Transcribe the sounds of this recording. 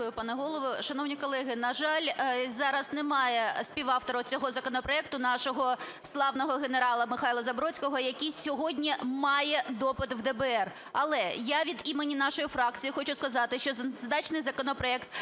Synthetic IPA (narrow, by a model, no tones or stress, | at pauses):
ʊjʊpɑnɛɦɔlˠɔʋʊʃɐnɔwnʲikɔlˠɛɦɪnɐʒɑlʲzɑɾɐznemɑjɛspʲiʋɑft̪ɔɾɐʊt͡sʲɔɦɔzɐkɔnɔpɾɔɛk̚t̪ʊnɑʃɔɦɔ | slˠɑwnɔɦɔɣeneɾɑlˠɐmɪxɑjlˠɐzɐbɾɔt͡sʲkɔɦɔjɐkʲijsʲɔɦɔdʲnʲimɑjɛd̪ɔpɪt̪wd̪ɛbɛɛr | ɐlˠɛjaʋʲid̪imenʲinɑʃɔjifɾɑkt͡sʲijixɔt͡ʃʊskɐzɑt̪ɪʃt͡ʃɔzd̪ɑt͡ʃnɪjzɐkɔnɔpɾɔɛkt̪